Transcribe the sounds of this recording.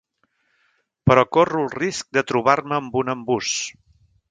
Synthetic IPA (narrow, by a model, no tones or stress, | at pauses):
pɾɔkorulˠrisk̚d̪ət̪ɾuβ̞aɾməːmbunəmbus